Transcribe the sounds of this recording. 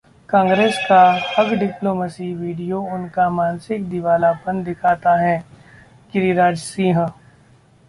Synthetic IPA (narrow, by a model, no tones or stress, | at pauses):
kãːŋɡɾeːskaɐɡɖɪploːməsiʋiːɖijoʊnkamaːnsɪkd̪ɪʋaːlapɐnd̪ɪkʰaːt̪aɦɛː | kɪɾiɾaːd͡ʒsĩːɦə̃